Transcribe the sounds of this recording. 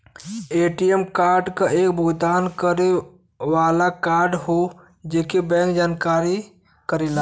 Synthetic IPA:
eːʈijemkaːɾɖkaʔeːkbʱud̪aːnkəɾe | ʋaːlakaːɾɖɦo | d͡ʒeːkebɛ̃ŋkd͡ʒaːnkaːɾi | kəɾela

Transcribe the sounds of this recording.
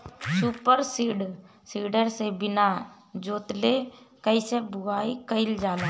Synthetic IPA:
suːpəɾsiɖ | siːɖəɾsebɪna | d͡ʒoːt̪le | kəisebʱʊaːikəɪld͡ʒaːla

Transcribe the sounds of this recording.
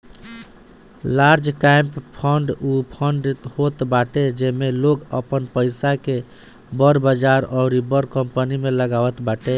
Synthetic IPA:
laɾd͡ʒkajmppʰəɳɖupʰəɳɖt̪hot̪baʈed͡ʒemelokəpənpəɪsake | bəɾbəd͡ʒaɾɔʊɾibəɾkəmpənimeləɡawət̪baʈe

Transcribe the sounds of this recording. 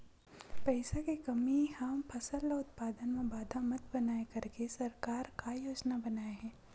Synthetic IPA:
pɛɪsakekɐmiɦampʰɐsəlːaʊt̪̚paːd̪ənmẽbaːd̪ʱamɐt̪bɐnaːekɐɾkesɐɾkaːɾkajoːd͡ʒnabɐnaːeɦɛ̃ː

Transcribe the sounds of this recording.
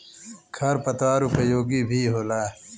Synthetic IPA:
kʰɐɾpɐt̪aːɾupɐjoːɡiːbʱiːɦoːlaː

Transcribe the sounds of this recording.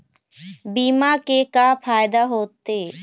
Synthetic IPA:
biːmaːkeːkaːpʰaːjd̪aːɦoːt̪eː

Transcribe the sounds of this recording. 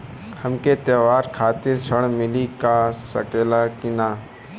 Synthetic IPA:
həmkeːt̪eːʋaːɾkʰaːt̪ɪɾt͡ʃʰəɳmɪliːkasə̰keːlaːkɪnaː

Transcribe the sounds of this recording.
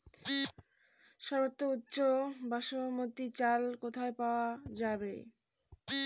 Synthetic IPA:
ʃɔɾbot̪ːoutːɕobaʃomot̪ːit͡ɕalkot̪ʰaepaoad͡ʑabḛ

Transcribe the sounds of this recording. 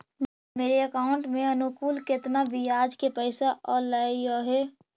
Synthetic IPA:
meːɾeəkaʊ̃ɳʈmẽənʊkuːlkɪt̪nabʱijaːd͡ʒkepəɪsaʔʔɔːɾlajoɦɛː

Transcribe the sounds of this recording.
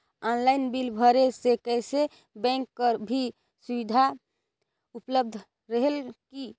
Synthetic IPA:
ɔnlajnbilbʱəɾesekɛjse | bɛ̃ŋkːəɾbʱi | subid̪ʱa | upləb̚d̪ʱ | ɾəɦelki

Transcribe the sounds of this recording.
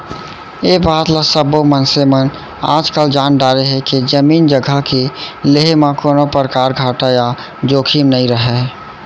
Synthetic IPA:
ebaːt̪lasəbomənsemən | a̰ːd͡ʒkəld͡ʒaːnɖaɾeɦɛkid͡ʒəmiːnd͡ʒəɡʱəkileɦemãkoːnopəɾkaːɾɡʱaːʈaja | d͡ʒoːkʰimnəiɾəɦɛ

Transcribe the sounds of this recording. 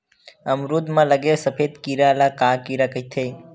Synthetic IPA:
əmɾuːd̪mãləɡesəpʰeːd̪kiɾalakaːkiɾakət̪ʰeː

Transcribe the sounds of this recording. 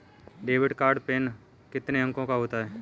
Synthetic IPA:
ɖeːʋɪɖkaːɾɖpeːn | kɪt̪neɐ̃ŋkõkaɦoːt̪aɦɛː

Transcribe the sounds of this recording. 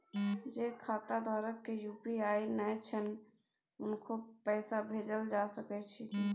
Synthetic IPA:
d͡ʒekʰat̪ad̪ʱaɾəkːejupiainɛjt͡ʃʰən | ʊnkʰopɛːsabʱed͡ʒəld͡ʒasəkɛt͡ʃʰi

